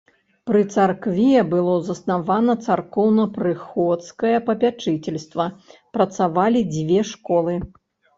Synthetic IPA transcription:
pɾɨt̪sarkvʲijɛbɨlˠɔzɐsnavanɐt̪sarkɔwnɐpɾɨxɔt̪skɐjɐpɐpʲat͡ʂɨt͡sʲɛlʲst̪vɐpɾɐt̪savalʲid͡zʲvʲɛʂkɔlˠɨ

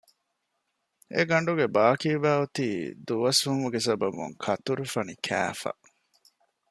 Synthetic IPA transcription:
ḛɡɐɳɖuɡebaːkiːʋæːut̪iːd̪uʋɐshumuɡesɐbɐbṵŋkʰɐt̪uɾufɐnikʰæ̰ːfɐ̰

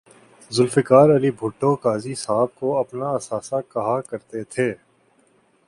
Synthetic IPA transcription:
zʊlfɪkaːɾɐlibʱʊʈːokaːzisaːb̚koɐpnaɐsaːsakɐɦakɐɾt̪et̪ʰeː

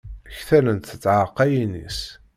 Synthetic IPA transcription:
çθælənt̪θət͡sːʕəqːæjinḭs

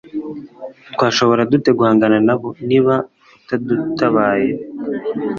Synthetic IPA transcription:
tkwaːʃo̞βo̞ɾadute̞ɡuhaːŋɡananaβo̞niːβa | utadutʰaβaːje

